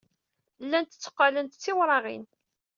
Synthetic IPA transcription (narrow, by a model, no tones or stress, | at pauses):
lːænt̪ə̥t͡sːə̥qːalənt̪t͡sːɪwɾˤɑʁḭn